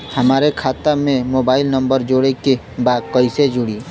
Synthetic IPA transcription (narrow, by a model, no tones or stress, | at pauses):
hɐmaːɾekʰaːt̪amẽmoːbaːɪlnɐ̃mbəɾd͡ʒoːɽeke | baːd̪̚kɐised͡ʒʊɽiː